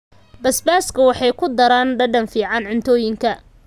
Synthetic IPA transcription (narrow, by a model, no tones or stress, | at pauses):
bɐsbaːskʰɐwɑħɑjkʰʊd̪ɐɾaːnɖɐɖɐnfiːʕɑnʕɪnt̪ʰɔːjɪŋkʰɐ